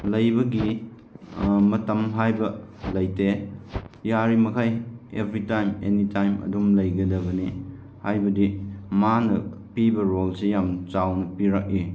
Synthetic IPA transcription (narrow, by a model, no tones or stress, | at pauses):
lɐjbɐɡi | mɐtɐmɦajbɐlɐjte | jaɾimɐkʰajebʱɾitajmḛnitʰajmɐ̰dumlɐjɡɐdɐbɐni | hajbɐdimanɐ | pibɐɾolsejamt͡ʃawnɐpiɾak̚i